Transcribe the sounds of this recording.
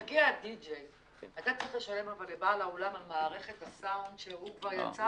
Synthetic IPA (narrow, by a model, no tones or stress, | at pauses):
aɡiadid͡ʒej | at̪at͡saʁiχle̞ʃale̞mavalebaːlaolamamaːʁe̞χe̞tasawndʃeɦukvaʁja̰t͡sa